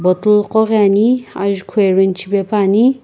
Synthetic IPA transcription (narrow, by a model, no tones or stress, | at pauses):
bɔt̪lqɔɣania̰ʒkʰoeɾɛnt͡ʃʰibepʰani